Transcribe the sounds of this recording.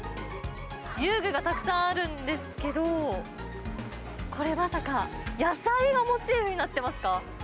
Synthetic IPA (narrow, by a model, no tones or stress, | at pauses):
jɯːɡɯ̟ɡat̪akɯ̟̥sãɰ̃aɾɯ̟̃nd̪e̞sɨ̥ke̞d̪o̞ | kʰo̞ɾe̞masakajasaiɡamo̞t͡ɕiːbɯ̟ɲ̟inat̪ːe̞masɨ̥ka